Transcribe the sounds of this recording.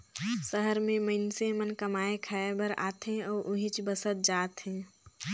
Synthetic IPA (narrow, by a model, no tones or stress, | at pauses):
səɦəɾmẽməɪnsemənkəmaːekʰaebəɾa̰ːt̪ɦẽɔːɾʔʊɦɪ̃t͡ʃbəsət̪̚d͡ʒaːt̪ɦẽː